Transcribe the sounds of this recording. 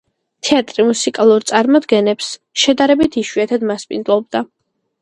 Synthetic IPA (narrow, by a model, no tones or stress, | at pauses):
t̪ʰɛat̪ʼɾimusikʼalˠuɾt̪sʼaɾmɔd̪ɡɛnɛps | ʃɛd̪aɾɛbit̪ʰiʃwiat̪ʰad̪maspʼind̪ɔb̚d̪a